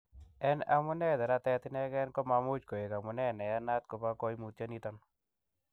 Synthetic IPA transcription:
ɛ˦na˦mʊ˦nɛ˦d̪ɛ˨ɾa˦t̪ɛ˦t̪ɪ˦nɛ˦ɡɛ˦nkɔ˦ma˨mʊ˦t͡ʃko˨e˨ka˨mʊ˨nɛ˦˨nɛ˨ja˦na˦t̪̚ko˨pa˦kɔ˦jmu˨t̪ja˦ni˦t̪ɔ˦n

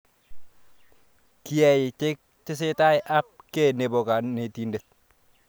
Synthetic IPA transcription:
kɪ˦ɛ˨jɪ˨t͡ʃɪ˦k̚t͡ʃɪ˦s̬ɪ˦ta˦jʔa˦p̚ke˦˨ne˨bo˨ka˨nːe˨ti˨nde˨t̪̚

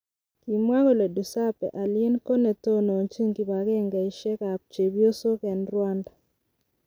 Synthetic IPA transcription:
ki˨mwa˦ɡo˦˨le˨du˨sa˦pɛ̰˨ʔa˨lje˦nko˦ne˨to˦no˨ɲt͡ʃi˦ŋki˨ba˨ɡɛ˦ŋɡɛ˨i˨ʃɛ˦ka˨p̚t͡ʃe˨bjo˦so˦kɛ˨nɾwa˦nda˨

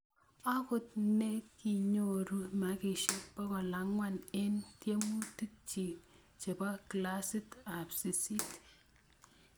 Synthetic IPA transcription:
a˦kʊ˨t̚ne˦kːi˨ɲo˨ɾu˦ma˨˦ki˨ʃe˦k̚pɔ˦kɔ˨la˨˦ŋwa˦ne˦ntje˦mu˦ti˦k̚t͡ʃi˨ | t͡ʃe˨ba˦kla˦si˦ta˨psi˨si˦t

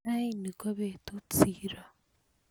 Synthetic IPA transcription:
a˦ini˨ko˦βe˨tut͡siːɾa˨

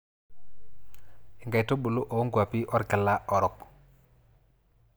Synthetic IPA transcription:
i˨ŋɡa˨jto˦ɓu˨lo˦ʔo˨o˦ŋɡwa˨pi˦ʔɔ˦ɾka˨la˦ʔɔ˨ɾɔ˨k

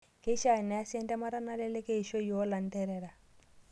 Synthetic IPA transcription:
ke˦ʃa˨nɛ˨a˦sɛ˦ntɛ˦ma˦ɾa˦na˦lɛ˦lɛ˦ke˦i˨ʃo˦jo˨˦la˨n˦tɛ˦ɾɛ˦ɾa˨

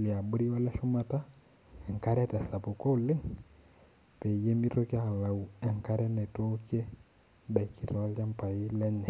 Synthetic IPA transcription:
li˨a˨ɓu˦ɾi˦wa˦lɛ˦ʃu˦ma˨ta˦ | ɛ˨ŋ˨ka˦ɾɛ˦tɛ˨sa˨pu˨ko˦lɪ˦ŋ | pɛ˨je˦mi˦to˦kja˦a˨la˨u˨ɛ˨ŋka˦ɾɛ˦nɛ˨to˦kɛ˦ | ɓa˨i˨ki˦tɔ˨wa˦la˦mpa˨i˦lɛ˦nɛ˨

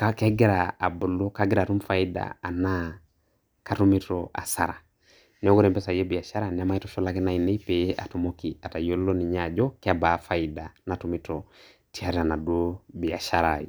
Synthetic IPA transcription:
kakɛ˦ɡɛ˦ɾaː˨bu˨lɔ˦ka˦ɡɪ˦ɾa˨tu˦mfa˦i˦da̰˨a˨na˦ | ka˦tu˦mi˦tɾɔʔa̰˨sa˨ɾa˨ | nɛ˨ɔ˦ɡɔ˦ɾɛ˨mpɛ˦sa˨jɛ˦bi˨a˨ʃa˦ɾa˨nɛ˨a˦ma˦i˦tɔ˦ʃɔ˦la˦kɛ˦na˨i˨nɛ˦i˦pe˨je˦ʔa̰˨tu˨moki˨a˨ta˨jo˦llɔ˦ni˨ɲa˨d͡ʒɔ˦ka˦ba˨fa˨ida˨na˨tu˦mi˦tɔ | tʰi˦a˦ɾa˨na˨do˦bi˨a˨ʃa˦ɾaj

